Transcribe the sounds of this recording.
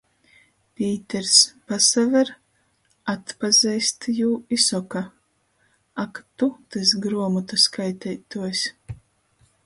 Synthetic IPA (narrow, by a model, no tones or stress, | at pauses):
pʲiːt̪ɛɾspasavɛɾ | at̪pazɛjst̪juːisɔka | akt̪ut̪ɨs̬ɡɾuɔmɔt̪askajt̪ɛjt̪uɔsʲ